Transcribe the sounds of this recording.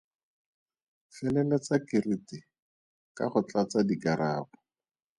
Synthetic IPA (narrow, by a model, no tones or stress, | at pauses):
fɛlɛlɛt͡sakɪritɪ | ka̰χʊt͡ɬat͡sadikaɾaːbʊ̥